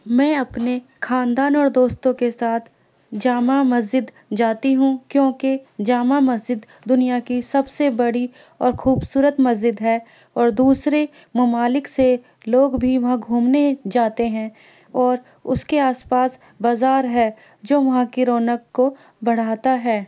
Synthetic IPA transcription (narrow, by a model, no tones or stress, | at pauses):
mɛ̃ːɐpnekʰaːnd̪aːnɔːɾd̪oːst̪õkesaːt̪ʰ | d͡ʒaːmamɐzd͡ʒɪd̪ | d͡ʒaːt̪iɦũkjõːked͡ʒaːmamɐzd͡ʒɪd̪ːʊnijakisɐbsebɐɽi | ɔːɾxuːbsuːɾət̪mɐzd͡ʒɪd̪ɦɛː | ɔːɾd̪uːsɾe | mɐmaːlɪkse | loːɡbʱiʋɐɦãɡʱuːmned͡ʒaːt̪eɦɛ̃ | ɔːɾ | ʊ̰skeaːspaːs | baːzaːɾɦɛ | d͡ʒoːʋɐɦãkiɾoːnəkːo | bɐɽ̤aːt̪aɦɛː